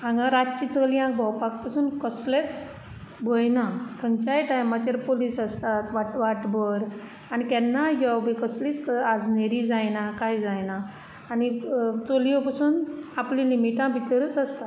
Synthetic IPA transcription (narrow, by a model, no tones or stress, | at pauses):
ãŋɡãɾat͡ɕit͡səlijãkbʱɔwpak̚pasuːnkəslet͡s | bəjnakʰənt͡ɕajʈajmat͡ɕaɾpoliːsast̪at̪ʋaʈʋaʈbəɾ | anikɛnːajɔbikəsliːt͡skad͡zneɾid͡zajnakajd͡zajnaː | nit͡soliɔpasuːnaplĩlimiʈãbʱit̪ɾəːt͡səst̪at̪